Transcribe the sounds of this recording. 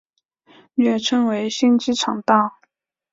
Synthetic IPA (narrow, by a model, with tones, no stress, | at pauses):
ɥɛ˥˩ʈ͡ʂʰɤ˥ŋwe˧˥ɪɕi˥nt͡ɕi˥ʈ͡ʂʰɑ˨˩ŋt̪ɑ˥˩ʊ